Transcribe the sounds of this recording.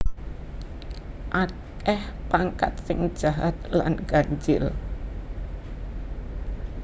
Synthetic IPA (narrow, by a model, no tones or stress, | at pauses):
ʔa | kɛhpaŋkat̪̚sɪŋd̥ʒ̥aɦat̪̚la̰nɡ̥aɲd͡ʒɪl